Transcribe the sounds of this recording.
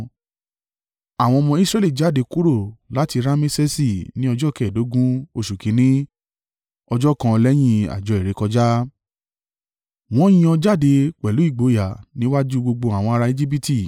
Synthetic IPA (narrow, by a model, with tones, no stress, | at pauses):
a˨w̃ɔ̃˧ɔ˧mɔ̃˧i˦sɾɛ˦li˦˨d͡ʒa˨˦˨de˨˧ku˦ɾo˦˨la˨˦ti˧ɾa˦mĩ˦se˦si˦˨nĩ˦ɔ˧d͡ʒɔ˦˨kɛ˦˨do˨˦ɡũ˦o˧ʃu˨kĩ˨˦nĩ˦ | ɔ˧d͡ʒɔ˦˨kã˧lɛ˦j̃ĩ˦˧a̰˨d͡ʒɔ˨˧e˨ɾe˨˦kɔ˧d͡ʒa˦ | w̃ɔ̃˦jĩ˦ɔ̃˧d͡ʒa˦˨de˧k͡pɛ˨lu˨˦i˦˨ɡ͡bo˨˦ja˨nĩ˦wa˦d͡ʒu˦ɡ͡bo˧ɡ͡bo˧a˨w̃ɔ̃˧a˧ɾa˧e˦d͡ʒi˦b̬i˦ti˦˨